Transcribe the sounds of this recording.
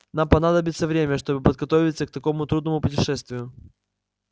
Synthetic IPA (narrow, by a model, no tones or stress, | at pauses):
nampɐnad̪əbʲɪt̪səvɾʲemʲəʂt̪o̞bɨpəd̪̚ɡɐt̪ovʲɪt̪sək̚t̪ɐko̞mʊt̪ɾud̪nəmʊpʊtʲɪʂɛst̪vʲɪjʊ